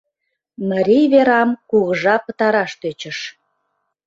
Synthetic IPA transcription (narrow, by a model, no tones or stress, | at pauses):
məɾʲijβeɾɑmkuɣəʒɑpət̪ɑɾɑʃt̪øt͡ɕəʃ